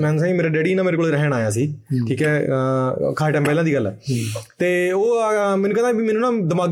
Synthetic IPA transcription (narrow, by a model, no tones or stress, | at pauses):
mɛ̃ːsãːmeːɾaːɖeːɽiːnãːmeːɾekoːeɾəɦɽaːjaːs̬iːkʰiːkɛː | kʰaːeːʈɛːmpɛːlãːd̪iːɡəlːɛ̰ːt̪eːoːmɛ̃ːnuːkɛ̃nd̪aːbiːmɛːnũːnãːd̪əmaːɡ